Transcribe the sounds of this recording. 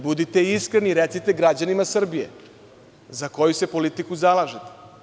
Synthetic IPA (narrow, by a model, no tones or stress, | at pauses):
bud̪it̪e̞iskɾeniɾet̪sit̪eɡɾad͡ʑanimasr̩bije̞̰ | zako̞juse̞po̞lit̪ikuzalˠaʒet̪e̥